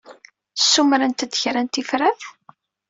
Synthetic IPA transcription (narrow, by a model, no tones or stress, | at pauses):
sːumɾænt̪əd̪çɾænt̪ifɾæθ